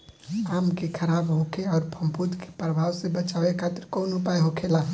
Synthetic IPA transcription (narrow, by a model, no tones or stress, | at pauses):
aːmkekʰəɾaːbɦõːkʰeɔːɾpʰə̃mpud̪ke̥pɾəbʱaːwsebət͡ʃaːʋekʰaːt̪ɪɾkoːnʊpajɦokʰelaː